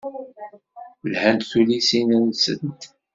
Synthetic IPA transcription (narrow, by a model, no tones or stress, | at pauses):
əlhænt̪θulisinænsə̰nt̪